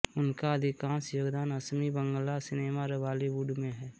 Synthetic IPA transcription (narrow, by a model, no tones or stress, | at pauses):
ʊnkaɐd̪ʱɪkãːnsjoːɡd̪aːnəsmibə̃ŋɡlasɪneːmaɾəʋaːliʋuːɖmẽɦɛː